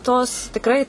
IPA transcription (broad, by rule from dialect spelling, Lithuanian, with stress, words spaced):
toːs tʲɪkˈrɐɪ